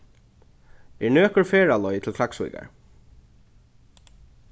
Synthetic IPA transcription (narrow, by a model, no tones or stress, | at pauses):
ɛɹnøːkəɹfɛːɹalɔjt̪ʰɪlkʰlaksṵjka̰ɹ